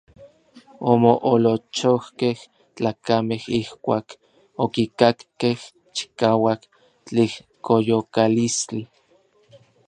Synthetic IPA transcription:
omoʔolot͡ʃohkeh | t͡ɬaːkamehihkʷaːk | okikakkeh | t͡ʃi̥kaːwak | t͡ɬeh | kojokalist͡ɬi

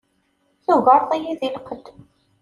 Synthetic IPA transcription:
θuɣəɾˤθˤijiðilqəd̪

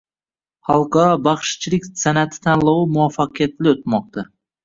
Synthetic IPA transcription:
χɑlˠqɑɾɒbaχʃt͡ʃʰɪlɪkʲsanat̪ʰɪ̥t̪ʰanlˠawɪmʊwafːaqɨjat̪ʰlɪot̪̚mɒq̚t̪a

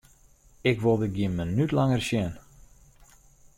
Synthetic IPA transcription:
ɪkʋolˠdəɡjiənmənytlaŋərsjɛn

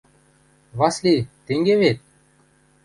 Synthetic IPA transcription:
βɑslʲit̪ːeŋɡeβet̪̚

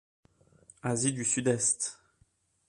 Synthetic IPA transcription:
azid̪ysyd̪ɛst̪

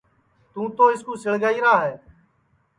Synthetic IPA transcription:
t̪ũːt̪oːɪskũːsɪɭɡaːiːɾaːɦɛː

